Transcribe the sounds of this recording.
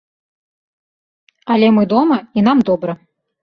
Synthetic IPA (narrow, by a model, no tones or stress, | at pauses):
ɐlʲɛmɨd̪ɔmɐin̪amd̪ɔbɾɐ